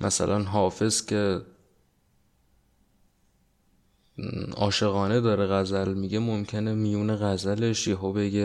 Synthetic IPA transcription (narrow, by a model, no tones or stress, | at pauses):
mʔæsæ̰lʔænɦɒːfe̞z̥cʰe̞ | ɒ̰ːʃe̞ɣɒːne̞d̪ɒːɾeɣæzælmiɡɟe̞momcʰe̞nemijuːneɣæzæle̞ʃjiɦobe̞ɡe